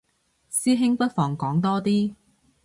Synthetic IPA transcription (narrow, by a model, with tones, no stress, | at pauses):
siː˥ɦɪ˥ŋpɐ˥t̚fɔː˨˩ŋkɔː˨˥ŋt̪ɔː˥t̪iː˥